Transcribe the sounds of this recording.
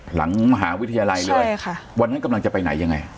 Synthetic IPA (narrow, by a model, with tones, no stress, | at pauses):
la̰˩˦ŋma˧ɦaː˩˦wi˦˥t̪ʰa˧jaː˧la˧jlɤː˧jkʰa˥˩wa˧nːa˦˥nka˧mla˧ŋt͡ɕa˨˩pa˧jna˩˦jːa˧ŋːa˧j